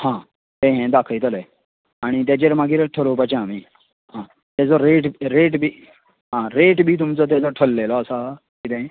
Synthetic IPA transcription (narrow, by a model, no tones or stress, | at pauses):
hãː | t̪ẽɦẽd̪aːkʰəit̪əle | aɽ̃it̪̬jed͡ʑeɾmaːɡiɾeʈʰəlopət͡ɕãmiː | ɦãː | t̪jɛd͡zɔɾeːʈɾeːʈbʱi | ɦãɾeːʈbʱit̪̬ʊmt͡sɔt̪̬jɛd͡zɔʈʰəlːelɔəsa | kit̪ẽ